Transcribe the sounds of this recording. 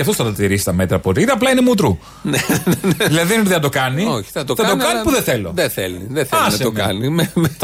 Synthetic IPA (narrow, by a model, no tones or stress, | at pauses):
ɐft̪osθɐt̪ɐt̪iɾisi̥t̪ɐme̞t̪ɾɐpoɾiðiɐplɐinemut̪ɾu | nennðilɐðieniðiɐd̪o̞kɐnioçi̥θɐt̪oθɐt̪okɐnipuðeθelo̞̰ðeθḛliðeθeɐsɐeomɐnimemet̪